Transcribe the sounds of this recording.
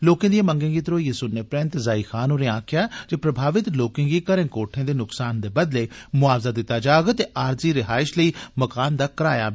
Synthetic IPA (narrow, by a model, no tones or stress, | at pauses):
loːkẽːd̪ijẽːmə̃ŋɡẽːɡiːt̪ɾoːjiːsʊneːpɾɪ̃nt̪zaːiːxʰaːnoːɾẽːãːkʰjaːd͡ʒeːpɾəbʱaːʋɪt̪loːkɪ̃ːɡiːkəɾẽːkoːʈʰẽːd̪eːnʊksaːnd̪eːbəd̪leːmʊaːʋzaːd̪ɪt̪ːaːd͡ʒaːɡt̪eːʔaːɾziːɾɪɦaːɪʃləiːməkaːnd̪aːkəɾa̰ːja̰ː